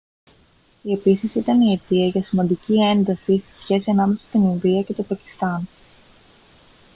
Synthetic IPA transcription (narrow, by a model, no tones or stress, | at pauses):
ie̞piθe̞siit̪ɐniit̪iɐʝɐsimɐnd̪icie̞nd̪ɐsist̪i̥sçe̞siɐnɐme̞sɐ̥st̪ininðiɐce̞t̪o̞pɐci̥st̪ɐn